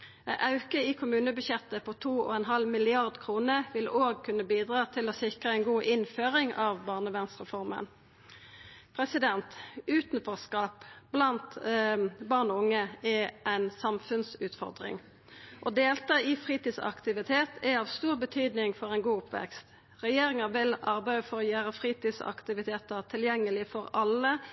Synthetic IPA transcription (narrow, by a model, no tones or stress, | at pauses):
ʔɑʉkəɪkʰʊmʉːnəbʉɕjɛt̪ːəpʰɔt̪ʰuːɔ̰ːɛnɦɑlmɪlɪɑʁd̪kʰʁuːnəʋɪloːɡ̚kʰʉnːəbiːd̪ʁɑːt̪ʰɪloːsɪkʁəɛɪnɡuːʔɪnføːʁɪŋɑːʋbɑːʁnəʋɛnsʁɛfɔʁmə̰n | pʰʁɛsɪd̪ɛnt̪ʉːt̪n̩fɔʁskɑːpblɑnt̪ | bɑːʁnɔʊŋːəɛʔæɪnsɑmfʉnsʉːt̪fɔ̰ʁd̪ʁɪ̰ŋ | ʔɔd̪eːlt̪ɑːɪfʁiːt̪iːsɑ̰kt̪ɪʋɪt̪ʰeːt̪ʰɛɑʋst̪uːʁbət̪ʰyːd̪nɪŋfɔʁɛɪnɡuːʊpʋɛ̰kst̪ | ʁɛjeːɾɪŋəʋɪlɑʁbæɪəfɔʁɔjæːɾəfʁiːt̪iːsɑ̰kt̪ɪʋɪt̪ʰeːt̪əʁt̪ʰɪljɛŋːəlɪfɔɾɑlːə